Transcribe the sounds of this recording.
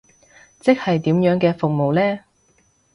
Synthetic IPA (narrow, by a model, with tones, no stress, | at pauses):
t͡sɪ˥k̚hɐ˨jt̪iː˨˥mjœː˨˥ŋkɛː˧fʊ˨k̚mo˨wlɛː˥